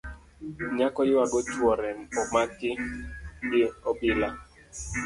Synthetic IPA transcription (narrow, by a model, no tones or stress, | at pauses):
ɲakɔjwaɡɔt͡ʃwɔɾɛnɔmakɪ | ɡɪɔbɪla